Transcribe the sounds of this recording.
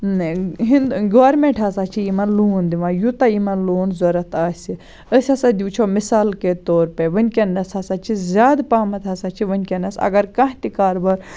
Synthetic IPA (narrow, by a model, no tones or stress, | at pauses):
ɦind̪ɡoːɾmeɳʈʰasat͡ʃʰiimɐnluːnd̪iʋãjut̪ɐimɐnloːnzoɾɐt̪ʰaːsʲi | əsʲɐsad̪ʲuːt͡ʃʰomisaːlket̪oːɾpeʋɐnʲkʲɐnːɐsasaːt͡ʃʰizʲaːd̪paːmɐt̪ʰaːsat͡ʃʰiʋɐnʲkʲɐnɐsɐ̰ɡɐɾkɐɦt̪ikaːɾbɐɾ